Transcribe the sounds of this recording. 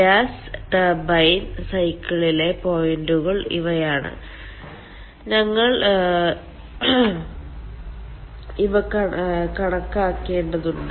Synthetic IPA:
aːsʈɐbɐjnsɐjkːɐɭile̞po̞jinɖuɣɐɭḭʋɐjaːɳɨ̰ | ɲɐŋːɐɭ | iʋɐkɐkɐɽɐkːaːkːe̞ːɳɖɐðuɳɖɨ

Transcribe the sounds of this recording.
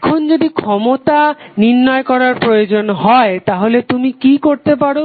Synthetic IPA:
kʰond͡ʑod̪ikʰɔmot̪aniɾːɔekɔɾaɾpɾojod͡ʑonɦɔet̪aɦolet̪umikikoɾt̪epaɾo

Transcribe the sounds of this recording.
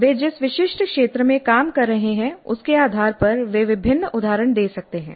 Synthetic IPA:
ʋeːd͡ʒɪsʋɪʃɪʃʈkʃeːt̪ɾəmẽkaːmkɐɾːɐɦeɦɛ̃ʊ̰skeaːd̪ʱaːɾpɐɾʋeːʋɪbʱɪnːəʊd̪ʱaːɾəɳd̪eːsɐk̚t̪eɦɛ̃ː

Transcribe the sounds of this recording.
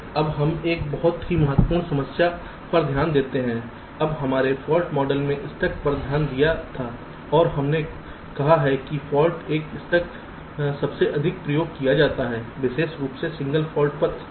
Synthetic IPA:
ɐbɦɐmeːkbɐɦʊt̪ɦimɐɦət̪wəpuːɾnsɐməsja | pɐɾd̪ʱjaːnd̪eːt̪eɦɛ̃ | ɐbɦɐmaːɾefɔːlʈmɔːɖəlmẽʔɪst̪ɐk̚pɐɾd̪ʱjaːnd̪ijat̪ʰaː | ɔːɾɦɐmne | kɐɦaɦɛkifɔːlʈeːkɪst̪ɐk̚ | sɐbseʔɐd̪ʱɪk̚pɾɐjoːɡ̚kijad͡ʒaːt̪aɦɛːʋɪʃeːʃɾuːpsesɪ̃ŋɡəlfʰɔːlʈ̚pɐɾ

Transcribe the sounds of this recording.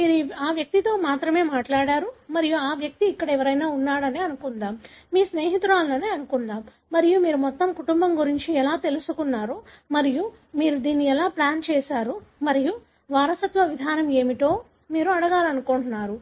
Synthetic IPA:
miːɾiaːʋjɐk̚t̪it̪o̞ːmaːt̪ɾɐme̞ːmaːʈlaːɽaːɾumɐɾijuaːʋjɐk̚t̪iːkːɐɽɐɛʋɐɾɐjnaːunːaːɽɐneːɐnukund̪aːmmiːsneːɦit̪ɾaːlɐnɐneːɐnukund̪aːm | mɐɾijumiːɾumɔt̪ːɐmkuʈumbɐmɡuɾiɲt͡ʃiɛlaːt̪e̞lusukunːaːɾu | mɐɾiju | miːɾud̪iːnːiɛlaːplaːnt͡ʃɛːsaːɾumɐɾiju | ʋaːɾɐsɐt̪ʋɐʋid̪ʱaːnɐme̞ːmiʈ̪o̞ː | miːɾuɐɽɐɡaːlɐnukoɳʈunːaːɾu

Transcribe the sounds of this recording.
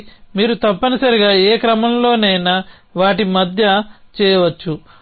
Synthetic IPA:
miːɾut̪ɐpːɐnɐsɐɾiɡaːeːkɾɐmɐmlo̞ːnɛːnɐ | ʋaːʈimɐd̪ʱjɐt͡ʃɛːjɐʋɐt͡ʃːu

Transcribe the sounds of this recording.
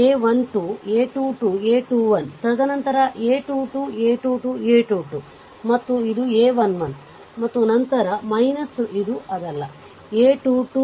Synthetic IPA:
eːʋɐnʈueːʈuːʈueːʈuːʋɐnt̪ɐd̪ɐnɐnt̪ɐɾɐʔeːʈuːʈuːeːʈuːʈuːeːʈuːʈu | mɐt̪ːuid̪ueːʋɐnʋɐn | mɐt̪ːunɐnt̪ɐɾɐmɐjnɐsid̪uʔɐd̪ɐlːɐ | eːʈuːʈu

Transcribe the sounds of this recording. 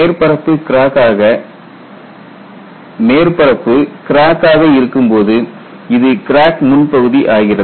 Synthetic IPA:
ɾpɐɾɐpːɯkɪɾaːkaːɣɐ | meːɾpɐɾɐpːɯkɪɾaːkaːɣɐɪɾɯkːɯmpoːðɯ | ɪðɯkɪɾaːkmʊnpɐɣɯðiʔaːɣɪrɐ

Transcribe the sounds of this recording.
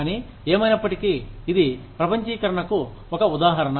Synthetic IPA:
niː | eːmɐjnɐpːɐʈikiːd̪ipɾɐpɐɲt͡ʃiːkɐɾɐɳɐku | ɔkɐud̪aːɦɐɾɐɳɐ

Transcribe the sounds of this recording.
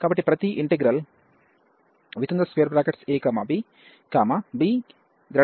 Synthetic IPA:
kaːbɐʈːipɾɐt̪iʔiɳʈeɡɾɐl | ʋit̪ɐnd̪ɐsʋejɐɾbɾaːkeʈseːkaːmabiː | kaːmabiː | d̪ɾɐ

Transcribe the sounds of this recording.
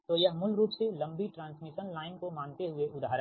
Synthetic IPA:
t̪oːjɐɦmʊlɾuːpselɐ̃mbiʈɾãːnsmɪʃənlaːɪnkomaːnt̪eɦʊeʔʊd̪ʱaːɾə

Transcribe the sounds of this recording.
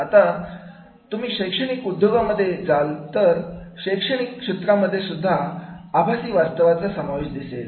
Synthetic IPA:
at̪a | t̪um̤iːɕəjkʂəɽ̃ikud̪ʱːəɡaməd̪ʱːjed͡zalt̪əɾɕəjkʂəɽ̃iːkʂet̪ɾaməd̪ʱːjesud̪ʱːaːbʱasiːʋast̪əʋat͡sasəmaʋeiɕd̪isel

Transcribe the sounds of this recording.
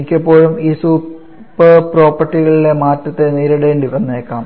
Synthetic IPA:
ikʲːɐpːo̞ːɻumiːsuː | pːɐpro̞ːpːɐrʈːiɣɐɭile̞maːtːɐt̪ːeniːɾɐɽeːɳɖiʋɐnːeːkːaːm

